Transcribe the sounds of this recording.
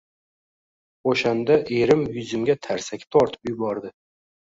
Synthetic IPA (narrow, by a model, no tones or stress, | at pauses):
oʃand̪aʔeɾɪmjʊzɪmɡʲat̪ʰaɾsakʲɪ̥t̪ʰɒɾt̪ʰɪ̥pjʊbɒɾd̪ɪ